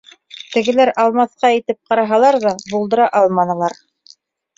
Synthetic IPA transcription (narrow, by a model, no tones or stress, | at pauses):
t̪ɘ̆ɡɘ̆læɾɑlˠmɑθqɑɘ̆t̪ɘp̚qɑɾɑɦɑlˠɑɾðɑbulˠd̪ɤ̆ɾɑʔɑlˠmɑnɤ̆lˠɑɾ